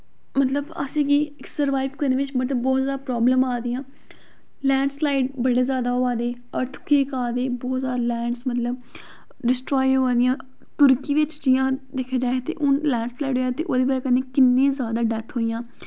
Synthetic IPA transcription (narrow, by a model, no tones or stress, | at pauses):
mət̪ləbə̰sẽːɡi | səɾʋaːɪbkəɾneːʋɪt͡ʃmət̪ləbːɔːt̪zjaːd̪apɾɔːbləmaːd̪ijãː | lɛ̃ːɳɖslaːiɖbəɽeːzjaːd̪aːoːaːd̪eː | əɾt̪ʰkʰeːkaːd̪eːbɔːt̪zaːɾlɛ̃ːɳɖsmət̪ləb | ɖɪsʈɾoːjoːaːd̪ɪjãː | t̪ʊɾkiːʋɪt͡ʃd͡ʒɪjãːd̪ekʰːeːd͡ʒaːet̪ḛːʔʊnlɛːɳɖslaːiɖɦoːjaːt̪eːʔoːd̪eːbaːkəneːkɪnːẽːzjaːd̪aːɖɛt̪ʰɦoːijãː